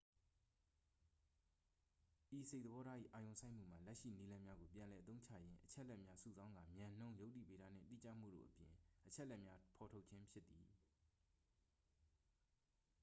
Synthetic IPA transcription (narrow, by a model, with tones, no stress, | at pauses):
ʔi˨se˦˨ʔ̚d̪əbɔ˦ɾa˦ʔḭ˦˨ʔa˨jõ˨ʊ̃sʰã˦ɪ̃m̥ṵ˦˨m̥a̰˨lɛ˦ʔʃḭ˦˨ni˦lã˦mja˦ɡo˨pjã˨lɛ˨ʔət̪õ˦ʊ̃ɲt͡ɕʰä̰˦˨jɪ̃˦ʔət͡ɕʰɛ˦ʔlɛ˦ʔ̚mja˦sṵ˨zã˦ŋɡã˨mjã˨n̥õ˦jo˦ʊʔtḭ˦˨pe˨ɾa̰˦˨n̥ɪ̰̃˦˨t̪ḭ˦˨t͡ɕä̰˦˨m̥ṵ˦˨do̰˦˨ʔəpjɪ̰̃˨ʔət͡ɕʰɛ˦ʔlɛ˦ʔmja˦pʰɔ˨tʰo˦ʔt͡ɕʰɪ̃˦mpʰjɪ˦t̪ːḭ˨